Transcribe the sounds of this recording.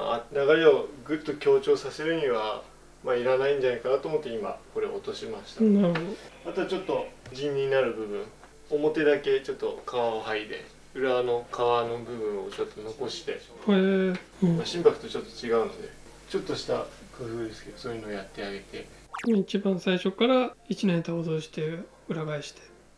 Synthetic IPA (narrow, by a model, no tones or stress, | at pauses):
a̰naɡaɾʲeoɡɯ̟t̪ːo̞kʲo̞ːt͡ɕo̞ːsase̞ɾɯ̟ɲ̟iβa | maiɾanaĩɲ̟d͡ʑanaikanat̪oːmot̪ːe̞ima̰ko̞ɾe̞ot̪o̞ɕimaɕi̥t̪anaoat̪oat͡ɕo̞t̪ːo̞d͡ʑĩɲːiinaɾɯ̟bɯ̟bɯ̟̃ŋ | omo̞t̪e̞d̪ake̞t͡ɕo̞t̪ːo̞kʰaβaoɦaid̪e̞̰ | ɯ̟ɾano̞kʰaβano̞bɯ̟βɯ̟̃ɰ̃o̞̰t͡ɕo̞t̪ːo̞no̞ko̞ɕi̥t̪e̞̰hẽ | maɕĩmpakɯ̟̥t̪ot͡ɕo̞t̪ːo̞̥t͡ɕiɡaɯ̟nod̪e | t͡ɕo̞t̪ːoɕi̥t̪a | kɯ̟ɸɯːd̪e̞sɨ̥ke̞d̪̥o̞soːjɯnoːjat̪ːe̞aɡe̞t̪e̞ | imait͡ɕibãɰ̃saiɕo̞kːaɾait͡ɕinãt̪aozoːɕi̥t̪e̞ | ɯ̟ɾaɡaiɕi̥t̪ʰe̥